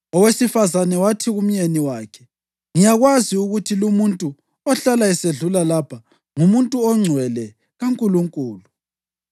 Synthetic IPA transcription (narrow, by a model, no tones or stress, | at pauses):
ɔwesifazanɛwatʰiɣum̩jeniwaːkʰɛ | ŋijaɣwaziuɣutʰilumuntʼu | ɔɬalaɛseɮulalapʰa | ŋumuntʼuɔŋ͡ǀʱwɛlɛ | ɣaŋkʼuluŋkʼuːlu